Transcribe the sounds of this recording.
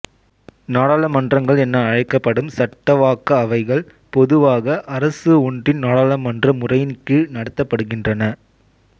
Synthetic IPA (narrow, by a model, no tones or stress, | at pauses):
naːɽaːlɐmɐndrɐŋɡɐɭɛnːɐːɻɐɪkːɐpːɐɽɯmsɐʈːɐʋaːkːɐːʋɐɪɣɐɭ | pɔðɯʋaːɣɐʔɐɾɐsɯʊɳɖɪnnaːɽaːlɐmɐndrɐmʊrɐjɪnkːɯnɐɽɐt̪ːɐpːɐɽɯɣɪndrɐnɐ